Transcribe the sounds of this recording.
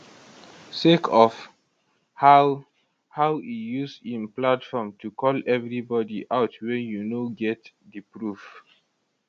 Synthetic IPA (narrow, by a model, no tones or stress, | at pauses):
sekʰɔf | ha | hawijusĩnplatfɔmtʰukɔlɛvɹibɔdiʔaʊtʰwɛ̃njunoɡɛtdəpɹuf